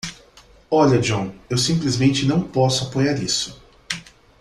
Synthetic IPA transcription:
ɔʎɐd͡ʒõwewsĩmplizmẽnt͡ʃɪnɐ̃w̃pɔsʊapojaɾisʊ̥

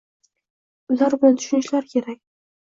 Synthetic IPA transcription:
ʊlaɾbʊnɪt̪ʰʊ̥ʃʊnɪʃlaɾkʲʰe̞ɾakʲ

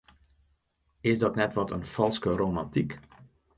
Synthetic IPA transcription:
ɪsdɔtnɛtʋɔtənfɑlˠskərowmɑntik

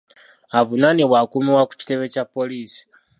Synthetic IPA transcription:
avunaniβwakumiwaku̥ci̥te̞βe̞capoliːsi̥

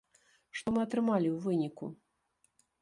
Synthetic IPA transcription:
ʂt̪ɔmɨɐt̪ɾɨmalʲiwvɨnʲikṵ

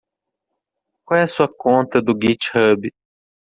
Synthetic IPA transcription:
kwawɛɐsuɐkõnt̪ɐd̪ʊɡit͡ʃhɐbi

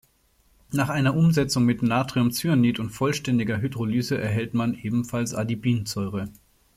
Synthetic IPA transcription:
naːχʔaɪnɐʔʊmzɛt͡sʊŋmɪtnaːtʁ̥iʊmt͡synitʊntfɔlʃtɛndɪɡɐɦydʁolyːzəʔɛɐɦɛltmanʔeːbm̩falsʔa̰dibiːnt͡sɔʏʁə

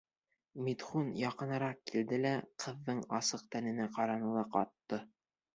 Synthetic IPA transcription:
mit̪χunjɑqɤ̆nɤ̆ɾɑqkːild̪ɘlæqʰɤ̆ðːɤɴɑsɤq̚t̪ænɘ̆næqɑɾɑnɤ̆lˠɤqɑ̰t̪ːɤ

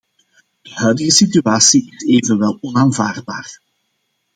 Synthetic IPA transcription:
d̥əɦœɥdəɣəsit̪yaːsiɪseːvənʋɛlˠɔnaːnva̰ːrd̚baːr

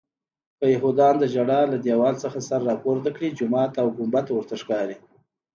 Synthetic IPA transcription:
pəjaɦud̪ɑnd̪əd͡ʒaɽɑlad̪jɑwɑlt͡səxasaɾːɑpoɾd̪əkɽid͡ʒʊmɑt̪awɡʊmbat̪awəɾt̪aʂkɑɾi

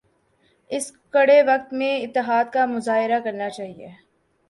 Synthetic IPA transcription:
ɪskɐɽeʋɐk̚t̪mẽɪt̪ːəɦaːd̪kamʊzaːɦɪɾakɐɾnat͡ʃaːɦiḛː

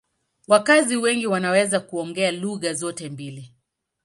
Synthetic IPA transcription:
wakaziwɛŋɡiwanawɛzakuɔŋɡɛaluɣazɔtɛmbili

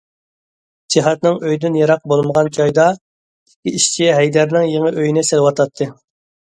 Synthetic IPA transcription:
d͡ʒiɦɛt̪nɪŋøjd̪ynjɑɾɑq̚bolˠməʁɑnt͡ʃʰɑjd̪ɑ | t̪ɪ̥kʲiiʃt͡ʃʰiɦɛjd̪æɾnɪŋjeŋəʔøjinɪsɪlˠwɑt̪ʰɑt̪ʰːɨ

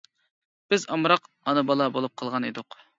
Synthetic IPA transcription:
b̥ɪzɑmɾɑq | ɑnɨbɑlˠɑbolˠup̚qʰəlˠʁɑned̪ʊq

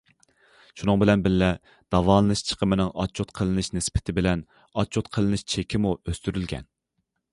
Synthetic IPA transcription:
ʃunɨŋbɪlɛnbɪllɛ | d̪̥ɑvɑːlˠɨnɨʃt͡ʃʰə̥qʰəmɪnɪŋɑ̰t͡ʃʰːot̪qʰəlˠɨnɨʃnɪspʰɪ̥t̪ʰɪbɪlɛn | ɑt͡ʃʰːot̪qʰəlˠɨnɨʃt͡ʃʰekʲʰɪmuøst̪yɾylɡʲɛ̰n

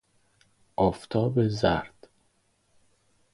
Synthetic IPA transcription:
ʔɒːft̪ʰɒːbezæ̰ɾd̪̥

